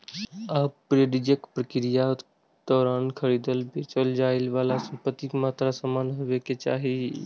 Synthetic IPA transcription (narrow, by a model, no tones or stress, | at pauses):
abpːɾeɖid͡ʒəkpɾəkɪɾija | d̪̥ɔːɾaːnkʰəɾiːd̪əlbet͡ʃəld͡ʒaːɪlʋaːlasə̃mpət̪ːikmaːt̪ɾasəmaːnɦʊʋeket͡ʃa̰ːɦi